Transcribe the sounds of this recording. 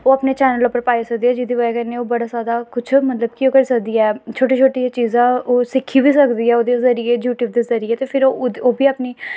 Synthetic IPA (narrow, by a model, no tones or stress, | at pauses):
oːəpneːt͡ʃɛːnəlopːəɾpaːisək̚d̪iːɛːd͡ʒɪd̪iːʋəkəneoːbəɽaːsaːd̪aːkʊt͡ʃʰmət̪ləb̚kiõːkəɾiːsək̚d̪iːɛːt͡ʃʰoːʈeːt͡ʃʰoːʈiːt͡ʃiːzãːoːsɪkʰːiːbiːsəkd̪iːɛːoːd̪eːzəɾieːd͡ʒjuːʈiːbd̪eːzəɾiːeːt̪eːpʰɪɾooːbʱiːapniː